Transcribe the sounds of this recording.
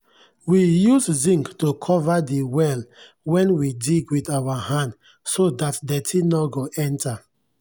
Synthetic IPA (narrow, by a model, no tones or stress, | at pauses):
wijuszĩŋktokʰɔvadiwɛl | wɛ̃nwidiɡwidawahãn | sodatdɛtʰinɔɡoʔɛ̃nta